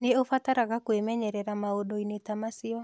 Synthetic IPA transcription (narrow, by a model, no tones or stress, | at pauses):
neofataɾaɣakwemɛɲɛɾɛɾamaodoinetamasiɔ